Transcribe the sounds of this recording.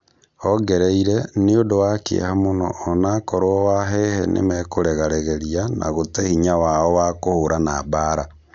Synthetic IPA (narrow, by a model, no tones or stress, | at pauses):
hɔɡeɾeiɾɛneodowakeḛhamonɔ̰ːnakɔɾwɔwaɦɛhɛnʔḛmɛkoɾɛɣaɾɛɣeɾianʔa̰ɣotehiɲawaɔwakohoɾanabaɾa